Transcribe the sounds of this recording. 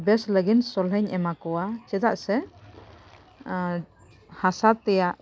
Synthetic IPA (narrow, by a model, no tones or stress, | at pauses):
bɛsləɡinsɔlɦɛɲɛmakɔwat͡ʃɛd̪aʔsɛ | hasat̪ɛjaʔ